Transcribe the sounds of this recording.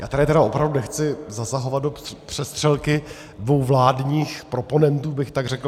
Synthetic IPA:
jaːt̪aɾɪt̪ɛɾaʔo̞pɾavdunɛxt͡sɪzasaɦo̞vat̪do̞pr̥ɛst̪r̥ɛlkɪ | dvo̞wvlaːdɲiːxpɾo̞po̞nɛnt̪uːbɪxt̪aɡrɛkl

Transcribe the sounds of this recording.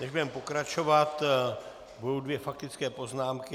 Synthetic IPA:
nɛʒbudɛmpo̞kɾat͡ʃo̞vat̪ | budo̞wdvjɛfak̚t̪ɪt͡skɛːpo̞znaːmkɪ

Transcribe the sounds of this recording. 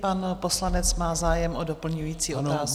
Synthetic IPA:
panpo̞slanɛt͡smaːzaːjɛmʔodopl̩ɲujiːt͡siːʔot̪aːs

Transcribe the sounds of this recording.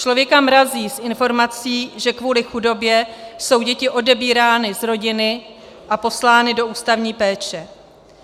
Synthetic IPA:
t͡ʃlo̞vjɛkamɾaziːsʔɪnfo̞ɾmat͡siːʒɛkvuːlɪxudo̞bjɛso̞wɟɛcɪʔo̞dɛbiːɾaːnɪzɾo̞ɟɪnɪ | ʔapo̞slaːnɪdo̞ʔuːst̪avɲiːpɛːt͡ʃɛ

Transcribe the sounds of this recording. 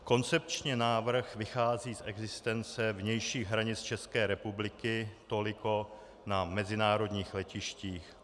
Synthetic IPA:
ko̞nt͡sɛp̚t͡ʃɲɛnaːvr̩xvɪxaːziːsʔɛɡzɪst̪ɛnt͡sɛvɲɛjʃiːɣɦɾaɲɪt͡st͡ʃɛskɛːɾɛpublɪkɪt̪o̞lɪko̞ | namɛzɪnaːɾo̞d̪ɲiːxlɛcɪʃciːx

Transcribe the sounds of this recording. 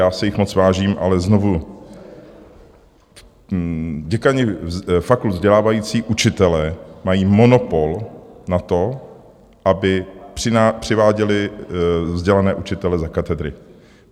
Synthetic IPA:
jaːsɛjɪxmot͡svaːʒiːmʔa̰lɛzno̞vu | ɟɛkaɲɪfakluvzɟɛlaːvajiːt͡siːʔut͡ʃɪt̪ɛlɛːmajiːmo̞no̞po̞lnat̪o̞ | ʔabɪpr̥ɪapr̝̥ɪvaːɟɛlɪ | vzɟɛlanɛːʔut͡ʃɪt̪ɛlɛzakat̪ɛd̪ɾɪ̰

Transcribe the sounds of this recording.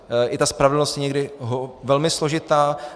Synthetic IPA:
ʔɪt̪aspɾavɛdl̩nost̪jɛɲɛɡdɪɦovɛlmɪslo̞ʒɪt̪aː

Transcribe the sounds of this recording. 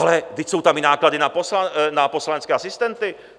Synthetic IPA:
alɛɡd̪ɪcso̞wt̪amɪnaːkladɪnaposlanapo̞slanɛt͡skɛːasɪst̪ɛnt̪ɪ

